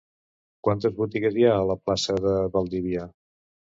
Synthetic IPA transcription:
kwant̪əzβut̪iɣəzjaələplasəðəβəlˠd̪iβia

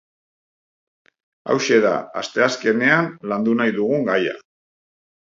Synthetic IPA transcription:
a̰wʃe̞ða̰a̰st̪e̞aske̞ne̞anland̪unajðuɣ̞uŋɡaja̰

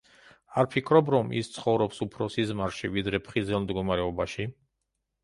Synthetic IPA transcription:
aɾpʰikʰɾɔbɾɔmḭst̪sʰχɔvɾɔpsupʰɾɔsizmaɾʃivid̪ɾɛpʰχizɛlˠmd̪ɡɔmaɾɛɔbaʃi

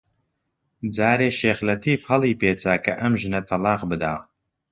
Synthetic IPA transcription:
d͡zaːɾeːʃeːxlɐt̪ʰiːfhɐliːpʰeːt͡sʰaːkʰɐʔɐmʒɨnɐt̪ʰɐlaːqbɨd̪aː

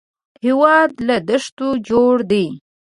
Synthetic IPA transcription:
hewɑd̪lad̪əʂt̪od͡ʒoɽd̪e

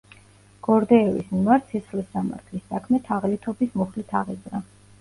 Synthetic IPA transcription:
ɡ̥ɔɾd̪ɛːvḭsmimaɾt̪ʰsʰisχlisːama̰ɾt̪ʰlisːakʰmɛt̪ʰaʁlit̪ʰɔbismɔχlit̪ʰaʁizɾa

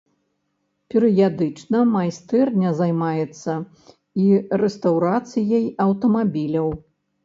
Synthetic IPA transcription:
pʲɛɾɨjad̪ɨt͡ʂnɐmajst̪ɛrnʲɛzajmajɛt̪sːɐ | irɛst̪awɾat̪sɨjɐjɐwt̪ɐmabʲilʲɐw

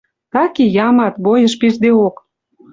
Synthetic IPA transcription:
t̪ɑkijɑmɑt̪bojə̆ʃpird̪eok

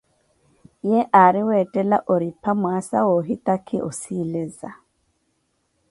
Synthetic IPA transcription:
jɛʔaɾɪwɛtʼɛla̰ʔoɾipʰamwasa̰wɔɦitʼakʰʼɪʔɔsilɛza

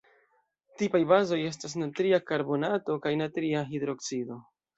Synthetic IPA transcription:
tipajbazo̞je̞s̬tas̬natɾiakaɾbo̞nato̞kajnatɾiaɦidɾo̞kt͡sido̞

